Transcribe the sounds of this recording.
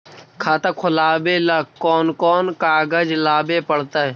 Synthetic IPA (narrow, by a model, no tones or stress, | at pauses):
kʰaːt̪akʰʊlaːbelakɔːnkɔːnkaːɡəd͡ʒlaːbepəɽ̤t̪aɦɛː